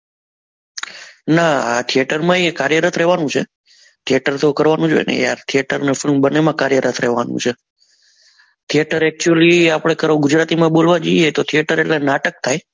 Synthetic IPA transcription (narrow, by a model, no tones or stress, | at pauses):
naa̰t̪ʰijeʈəɾmãekaɾjəɾət̪ʰɾɛɦʋanũt͡ʃʰe | t̪ʰijeʈəɾt̪okəɾʋanũd͡ʒojḛnḛja̰t̪ʰieʈəɾnefɪlmbənemãkaɾjəɾat̪ʰɾeɦʋanṵ̃t͡ʃʰe | t̪ʰijeʈəɾɛk̚t͡ʃuəliapɽ̃ekəɾoɡʊd͡ʒɾat̪imãbolʋad͡ʒoiet̪ot̪ʰieʈəɾeʈlenaʈək̚t̪ʰaj